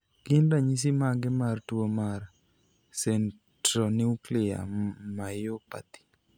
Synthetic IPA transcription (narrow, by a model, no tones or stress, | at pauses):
ɡ̥ɪndaɲis̬imaɡɪmartwomar | sɛn | tɾɔniuklɪa̰majopa̰t̪i̥